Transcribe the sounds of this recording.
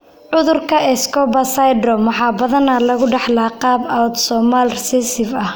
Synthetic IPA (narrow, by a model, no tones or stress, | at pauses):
ʕʊðʊrkʰɐʔɛskɔbɐsajdɾɔmɑħɑːbɐðɐnalɐɣʊɖɑħlaːqɑːbawt̪sɔːmalrɛsɛsɪfɐh